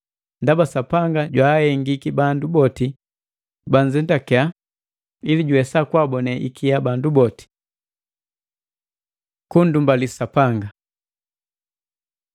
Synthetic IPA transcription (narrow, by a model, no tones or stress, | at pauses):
ndabasapaŋɡaɟwahɛŋɡikibandubɔti | band͡ʒɛndakɛa | iliɟuwɛsakwabɔnɛʔikʰijabandubɔti̥ | kundumbalisapaŋɡa